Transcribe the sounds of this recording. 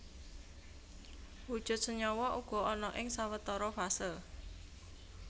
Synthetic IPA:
wud̥ʒ̥ʊ̤t̪̚səɲɔwɔʔuɡ̥ɔ̤ɔnɔʔɪŋsawət̪ɔɾɔfasɪl

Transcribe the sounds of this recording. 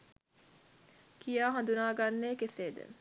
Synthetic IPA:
kijaːɦɐnd̪unaːɡanːeːkeseːd̪ə̰

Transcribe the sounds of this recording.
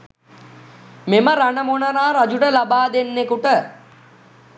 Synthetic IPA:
meməɾaɳəmonəɾaːɾad͡ʒuʈəlabaːd̪enːekuʈə

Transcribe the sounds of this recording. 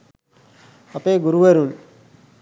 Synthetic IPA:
ɐpeɡuɾuʋeɾun

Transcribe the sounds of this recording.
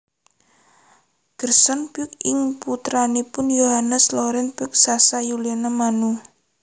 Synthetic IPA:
ɡ̥ərsɔnpʊk̚ɪŋput̪ɾanipʊnjoɦanəslɔɾɛnpʊk̚sasajulianamanu

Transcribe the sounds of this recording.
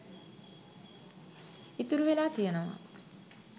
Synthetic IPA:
it̪uɾuʋelaːt̪ijənəʋa̰

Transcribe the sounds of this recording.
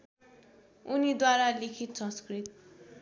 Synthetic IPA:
unid̪waɾalekʰit̪sʌ̃skrit̪

